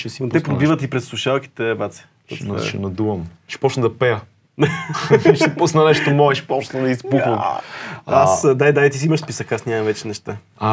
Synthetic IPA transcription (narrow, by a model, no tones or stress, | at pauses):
ʃɛsinot̪ɛpɾobivət̪ipɾɛsˠuʃalˠk̟i̥t̪ɛbat̪sɛ̥̰ | ʃɛ̰nɐd̪uvɐm | ʃi̥pɔt͡ʃnəd̪ɐpɛjə | ʃɛposnɐnɛʃt̪omɔɛʃi̥pɔt͡ʃnəd̪ɐizbuəm | asd̪ajd̪aɛt̪is̬iimɐʃspisəkasnʲamɐ̃mvɛt͡ʃɛnɛʃt̪a | a